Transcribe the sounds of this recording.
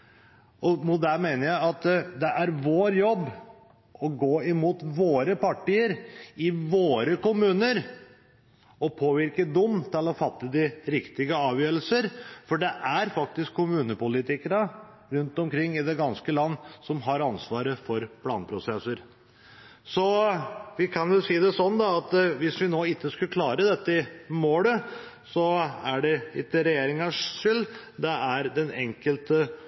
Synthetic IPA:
ʔɔmʊt̪̚d̪æmenəɾjæɪɑt̪d̪ɛʔæɾʋoːɾjɔbː | ɔɡoːɪmuːt̪ʋoːɾəpɑʈiːəɾɪʋoːɾəkʊmʉːnəɾ | ɔpʰoːʋɪɾkəd̪ʊmːt̪ʰɪlɔfɑt̪ːəd̪ɪɾɪkt̪ɪɡəɑːʋjøːɾəlsəɾfɔɖɛʔæɾfɑk̚t̪ɪskʰːʊmʉːnəpʊlɪt̪ɪkəɾə | ɾʉnt̪ɔmkʰɾɪŋːɪd̪ɛɡɑnskəlɑnːsɔmɦɑɾɑnsʋɑːɾəfɔɾpʰlɑːnpʰɾʊsɛsəɾ | sɔʋɪkʰɑnjʊsiːd̪ɛsɔnːd̪ɑɑt̪ʋɪsʋɪnoːɪt̪ːəskʉkʰlɑːɾəd̪ɛt̪ːɪmoːlə | sɔæɖɛɪt̪ːəɾɛjeːɾɪŋɑʂʂʏld̪ɛæɾd̪ɛnɛŋkəlt̪ə

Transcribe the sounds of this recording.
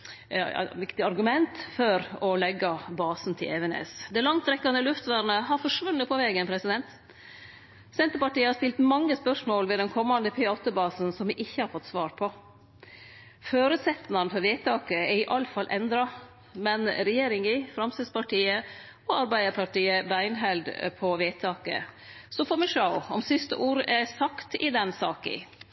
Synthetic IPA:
ʋɪkt̪ɪɑɾɡʉmɛnt̪fɔɾɔlɛɡːɑbɑːsn̩t̪ʰɪ̰lɛʋɛnḛːsd̪ɛlɑŋt̪ʰːɾɛkːɑnəlʉft̪ʋæɾnəɦɑɾfɔʂʋʉnːət̪pʰɔʋɛːɡənpʰɾɛsɪd̪ɛnt̪ | sɛnt̪əpɑʈiːəhɑst̪ɪlt̪mɑŋːəspœʂmoːlʋɛːd̪ɛnkʰɔmːɑnd̪əpʰɪɑːt̪əbɑːsn̩sɔmʋɪʔɪçːəhɑɾfɔt̪ːsʋɑːɾpʰɔ | føːɾʉːt̪sɛt̪nɑnfɔɾʋeːt̪ʰɑːkəɛɾɪʔɑləfɑlʔɛnd̪ɾɑ | mɛnɾɛjeːɾɪŋɪfɾɑmsəspɑʈiːə | ɔɑɾbæɪd̪əɾpʰɑʈiːəbæɪnɦɛld̪pʰɔʋeːt̪ʰɑːkə̰sɔfɔmɛʂɑʊɔmsɪst̪ə̰ʔuːɾəʔɛɾsɑkt̪ɪd̪ɛnsɑːkə̰

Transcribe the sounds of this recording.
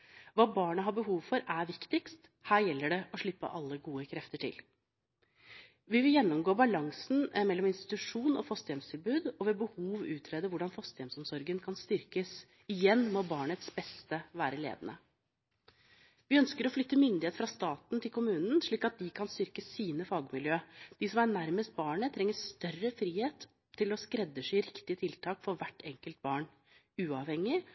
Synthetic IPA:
ʋɑːbɑːɳəɦɑbəɦuːʋfɔɾæɾʋɪkt̪ɪkst̪ | hæːɾjɛlːəɖɛʔɔʂɭɪpːə̰ʔɑlːəɡuːəkʰɾɛft̪əʈʰɪ̰l | ʋɪʋɪljɛnːɔmɡoːbɑlɑŋsn̩mɛlːɔmɪnst̪ɪ̥t̪ʉʂuːnʔɔfɑst̪əjɛmst̪ʰɪlbʉːd̪ɔʋeːbəhuːʋʉːt̪ʰɾeːd̪əʋʊɖɑnfɑst̪əjɛmsɔmsɔɾɡənkʰɑnst̪ʏɾkəs | ɪjɛnːmɔbɑːɳət̪sbɛst̪əʋæːɾəlḛːd̪ənə | ʋɪœnskəɾɔflʏt̪ːəmʏnd̪ɪeːt̪fɾɑst̪ɑːt̪nt̪ʰɪlkʊmʉːnən̩ʂɭiːkɑt̪̚d̪ɪkʰɑnst̪ʏɾkəsːiːnəfɑːɡmɪljøːd̪̥ɪsɔmæɳæɾməst̪̚bɑːɳət̪ʰɾɛŋːəst̪œrəfɾiːheːt̪ʰː | ɪlɔskɾɛd̪ːəʂɪɾɪkt̪ɪət̪ʰɪlt̪ʰɑːkfɔɾʋæʈːɛŋkəlt̪̚bɑːɳ | ʉːɑʋhɛŋːɪ

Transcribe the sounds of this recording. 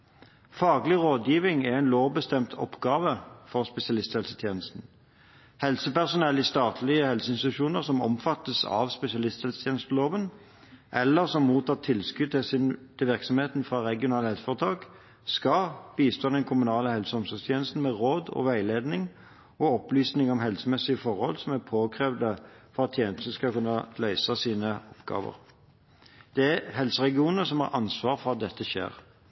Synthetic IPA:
fɑːɡlɪʁoːd̪jiːʋɪŋɛʁɛɪnloːʋbəst̪ɛmt̪ʰɔ̰pɡ̥ɑːʋəfɔʁspɛsɪɑlɪst̪hɛlsə̥t̪ʰjeːnəst̪n̩ | hɛlsəpæʁsʊnɛlːɪst̪ɑːt̪ʰlɪəhɛlsəɪnsɪt̪ʉʃuːnəʁsɔmɔ̰mfɑt̪ːəsɑ̰ʋspɛsɪɑlɪst̪hɛlsət̪ʰjeːnəst̪əloːʋən | ʔɛlːəʁsɔmmuːt̪ʰɑːt̪ʰɪlskʉd̪̚t̪ʰɪsɪnt̪ʰɪlʋɪʁksɔmheːt̪n̩fʁɑʁɛɡɪʊnɑːləhɛlsəfɔʁət̪ʰɑːk | skɑb̥iːst̪ʰoːd̪ɛnkʰʊmʉnɑːləhɛlsəɔmsɔst̪ʰjeːnəst̪n̩mɛʁoːd̪ɔ̰ʋæɪleːd̪nɪŋ | ɔɔplyːsnɪŋɔmɦɛlsəmɛsɪəfɔʁhɔ̰lsɔmæpʰoːkʰʁeːʋd̪əfɔʁɑt̪ʰjeːnəst̪ən̩skɑkʉnːɑlœʏsɑsiːnəɔpɡ̥ɑ̰ːʋə̰ʁ | d̪̥ɛæɦɛlsəʁɛɡɪuːnəsɔmhɑ̰ʁʔɑnsʋɑːʁfɔʁɑt̪̚d̪ɛt̪ːəʃḛːʁ

